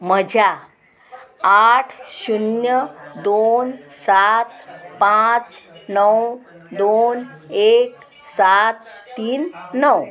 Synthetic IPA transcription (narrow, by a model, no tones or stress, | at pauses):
m̤əd͡ʑʱja | aʈʰɕunjəd̪onsat̪pãt͡snəw | d̪onek | sat̪ːiːnːəw